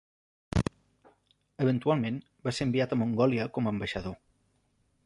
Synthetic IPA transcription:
əβənt̪ualˠmen | baseəmbiat̪əmuŋɡɔliəkɔməːmbəʃəðo

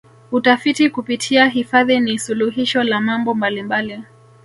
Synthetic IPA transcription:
utafitikupitʰiaɦifaðinisuluɦiʃɔlamambɔmbalimbali

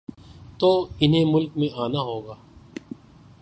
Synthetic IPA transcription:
t̪oːɪnɦẽːmʊlkmẽʔaːnaɦoːɡaː

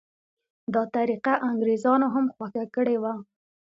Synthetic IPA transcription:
d̪ɑt̪aɾiqaʔaŋɡɾezɑnoɦamxwaxakəɽewa

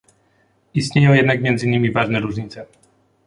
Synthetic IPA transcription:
ist̪ɲejɔ̃w̃jɛd̪nakmʲjɛnd̪zɘɲʲːimʲivaʐnɛɾuʐɲit̪sɛ

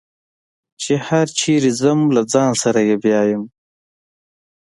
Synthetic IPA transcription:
t͡ʃehaɾt͡ʃʰiːɾizəmlad͡zɑːnsaɾajebjɑːjəm

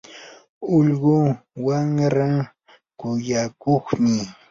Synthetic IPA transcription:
ʊʎɢʊwaŋɾa | kʊjakoχmɪ

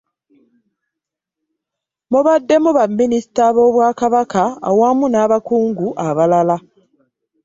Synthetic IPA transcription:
muβadːe̞muβamːinisi̥taβo̞ːβwaːkaβaka̰ːwaːmunaːβakuːŋɡuʔaβalala

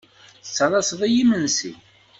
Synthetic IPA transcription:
θə̥t͡sːəðˤɑsðˤijimənsḭ

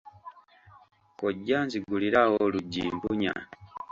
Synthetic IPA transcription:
koɟːaːnziɡuliɾawoluɟːḭːmbuɲa̰

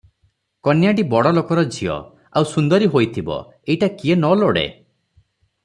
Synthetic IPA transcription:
kɔnjaɖibɔɽɔlokɔɾɔd͡ʒʱiɔ̰ | awsund̪ɔɾiɦojt̪ʰibɔ̰ | ejʈakienɔloɽḛ

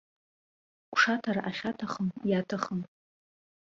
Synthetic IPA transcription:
kʷʰʂatʰaɾaʔaχʲatʰaχəmjatʰaχəm

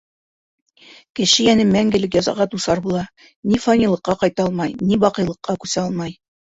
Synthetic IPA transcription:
kɘ̆ʃɘjænɘmæŋɡɘ̆lɘkjɒzɑ̰ʁɑt̪usɑɾbulˠɑ | nifɑnʲilˠɤ̆qːɑqɑjt̪ɑɑlˠmɑjnibɑqɤ̆jlˠɤ̆qːɑkʉsæɑlˠmɑj

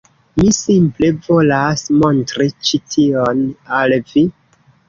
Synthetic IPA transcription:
misimple̞vo̞lasmo̞ntɾit͡ʃitʰio̞nalvi

